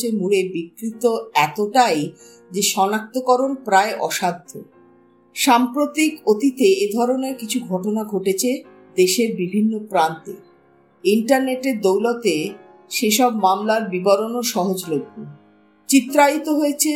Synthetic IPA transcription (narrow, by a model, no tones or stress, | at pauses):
emuɽebikɾit̪oɛt̪oʈaj | d͡ʑeʃɔnak̚t̪okɔɾonpɾaeʔɔʃad̪ʱːo̰ | ʃampɾot̪ikot̪it̪eed̪ʱɔɾoneɾkit͡ɕʰuɡʱɔʈonaɡʱoʈet͡ɕʰe | d̪eʃeɾbibʱinːopɾant̪e | iɳʈaɾneʈeɾd̪owlot̪e | ʃeʃɔb̚mamlaɾbibaɾonoʃɔɦod͡ʑloɡːu | t͡ɕit̪ːɾait̪oɦoet͡ɕʰe